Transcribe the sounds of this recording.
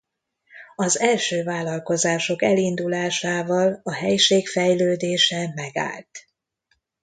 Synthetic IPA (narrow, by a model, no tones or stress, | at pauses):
ɒzɛlʃøːvaːlɒlko̞zaːʃo̞kɛlind̪ulaːʃaːvɒlɒɦɛjʃeːkfɛjløːd̪eːʃɛmɛɡa̰ːlt̪